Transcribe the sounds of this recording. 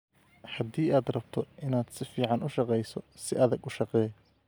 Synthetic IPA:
ħɑd̪iːaːd̪rɐb̥t̪ʰɔʔɪnaːd̪sɪfiːʕɑnʊʃɑqɛjsɔsɪ̰ʔɐðɐɡʊʃɑqɛː

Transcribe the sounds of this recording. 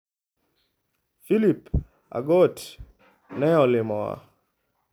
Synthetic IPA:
filip | a̰ɡot | nɛɔlɪmɔwa̰

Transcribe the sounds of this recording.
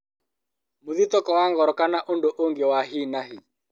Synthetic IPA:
moðit̪ɔkɔwaŋɡɔɾɔkanaʔondoʔoŋɡewaɦinaɦi

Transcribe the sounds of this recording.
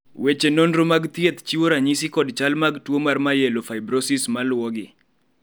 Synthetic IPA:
wet͡ʃenonɾomaɡt̪jet̪t͡ʃiwoɾaɲisɪkɔdt͡ʃalmaɡtwomarmajelofajbɾosismalwɔɡɪ

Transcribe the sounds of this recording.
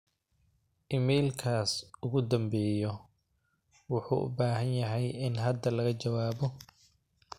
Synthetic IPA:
ʔɪmɛjlkʰaːsʊɣʊd̪ɐmbɛːjɔ | wʊħṵːʔʊ̰baːɦɐnjɐɦɛjɪnɦɐd̪ɐlɐɣɐt͡ʃɐwaːbɔ

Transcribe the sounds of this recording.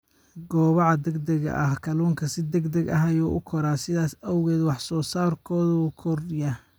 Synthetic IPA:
ɡɔːβɑʕɑd̪ɛɡd̪ɛɣɐ̰ʔɐhkʰɐluːŋkʰɐsɪd̪ɛɡd̪ɛɡɐ̰ɦajɔːʔʊkʰɔɾaːsɪðaːsɐwɣɛːd̪wɑħsɔːsaːrkʰɔːðuːkʰɔrja

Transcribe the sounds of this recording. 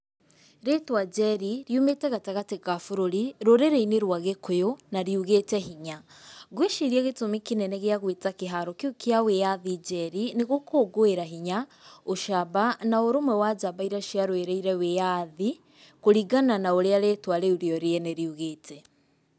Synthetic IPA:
ɾetwad͡ʒɛɾiɾjumetɛɣataɣateɣafoɾoɾiɾoɾeɾeineɾwaɣekojonaɾiuɣetɛɦiɲa | ɣweʃiɾjaɣetomikenɛnɛɣeaɣwetakeɦaɾokeokeawejaðid͡ʒɛɾineɣokoːɡoeɾaɦiɲaoʃaβanaoɾomwɛwad͡ʒaβaiɾaʃiaɾoeɾeiɾɛwejaði | koɾiɡananaoɾeaɾeːtwaɾeuɾiɔɾeɛneɾiuɣeːtʰɛ

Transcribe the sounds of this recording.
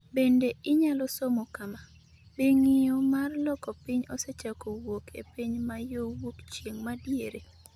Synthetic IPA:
bendeɪɲalɔsomokama | beŋɪjomarlɔkɔpɪɲɔset͡ʃakowokʰḛpiɲmajowokt͡ʃjeŋmadjeɾe

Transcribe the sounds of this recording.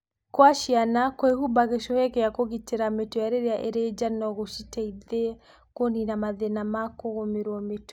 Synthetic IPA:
kwaʃianakwehubaɣeʃɔhɛkɛakoɣiteɾametojaɾeɾeaʔeɾed͡ʒanɔɣoʃitɛiðe | koninamaðenamakoɣomeɾwɔmet

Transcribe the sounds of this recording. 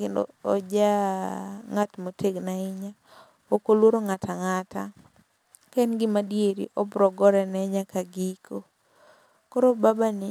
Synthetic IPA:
kɪndɔ̰ːd͡ʒa | ŋatmotʰeɡnaɪɲa | okolwoɾoŋataŋata̰ | kanɡɪmadjeɾḭʔɔbɾɔɡɔɾɛnɛɲakaɡikʰo | koɾobabanɪ

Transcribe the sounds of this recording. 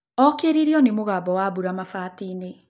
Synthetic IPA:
ɔkeɾiɾiɔnemoɣaːbɔwabuɾamafaːtiːne

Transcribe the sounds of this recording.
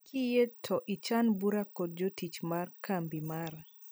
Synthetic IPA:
kʰijetʰɔʔit͡ʃanbuɾakot̚d͡ʒotit͡ʃmarkambimar

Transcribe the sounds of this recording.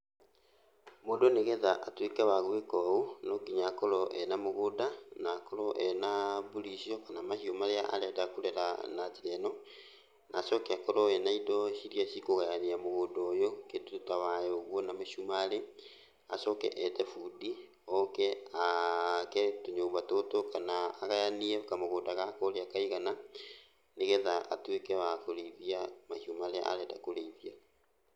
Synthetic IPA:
moːdoneɣɛðaʔatwekawaɣoekɔunɔkiɲakɔɾɔʔɛnamoɣodanakɔɾɔʔɛnabulisiɔkanamaɕiɔmaɾeaʔa̰ɾɛdakuɾɛɾa̰natiɾɛnɔ | naːsɔkɛakɔɾɔɛnaidɔɕiɾiasikoɣaaneamoɣodɔːjoketutawajoɣwɔnameʃumale | asɔkɛ̰ʔɛtɛfudi | ɔkɛakɛtoɲoːmbatotokanaːɣajaniɛkamoɣoːdaɣakɔɾeakaiɣana | neɣɛðaʔa̰twekɛwakoɾeiβiamahumaɾea̰ʔa̰ɾɛdakoɾeiβia

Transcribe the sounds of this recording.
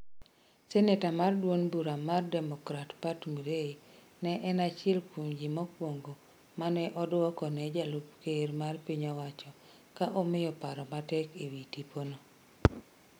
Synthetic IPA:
sɛnetamardwonbuɾamardɛmɔkɾatpatmuɾei | nɛʔɛnat͡ʃɛlkuɲd͡ʒimɔkwoŋɡo | manɛʔɔdɔkɔnɛd͡ʒalupkermarpiɲawat͡ʃɔ | kaʔɔmɪjɔpaɾɔmatɛkewitiponɔ

